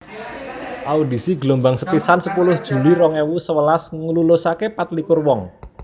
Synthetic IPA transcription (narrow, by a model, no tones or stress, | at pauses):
ʔaudi̤siɡlombaŋsəpisansəpulʊhd̥ʒ̥ṳliɾɔŋewusəwəlasŋəlulosakepat̪likʊrwɔŋ